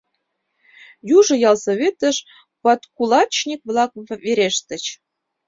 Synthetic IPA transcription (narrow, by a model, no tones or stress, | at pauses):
juʒɤ̆jɑlˠsoβʲet̪ə̆ʃ | pɑt̪kulˠɑt͡ɕnʲikβlˠɑk̚veɾeʃt̪ə̆t͡ɕ